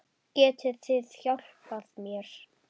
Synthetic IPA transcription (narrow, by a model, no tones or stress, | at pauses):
cɛːt̪ʰɪθɪðçawl̥paðmjɛɾ̥